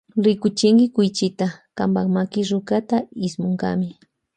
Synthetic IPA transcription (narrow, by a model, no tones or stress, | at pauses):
ɾɪkʊt͡ʃɪŋɡɪkʊjt͡ʃɪt̪akambakmakɪɾʊkat̪aɪsmʊŋɡa̰mɪ